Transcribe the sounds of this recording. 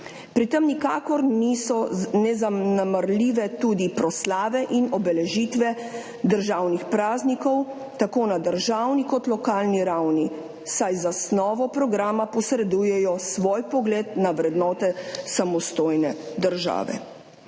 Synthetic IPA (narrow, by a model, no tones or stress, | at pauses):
pɾit̪ɛmnikaːkɔɾnisɔnɛzanamaɾlʲiʋɛt̪uːd̪ipɾɔslaːʋɛʔinɔbɛlɛʒiːt̪ʋɛ | d̪əɾʒawnixpɾaːznikɔw | t̪akoːnad̪əɾʒaːwnikɔt̪lɔkaːlniɾawni | sajzasnɔːʋɔpɾɔɡɾaːmapɔsɾɛd̪ujɛjɔsʋoːjpɔɡleːd̪naʋɾɛd̪nɔːt̪ɛsamɔst̪oːjnɛd̪əɾʒa̰ːʋɛ̰